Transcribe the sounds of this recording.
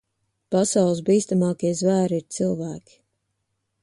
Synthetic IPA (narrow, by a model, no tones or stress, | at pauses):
pasawlˠs̬biːst̪amɑːkiɛzvæːɾiɾt̪silˠvæːkʲi̥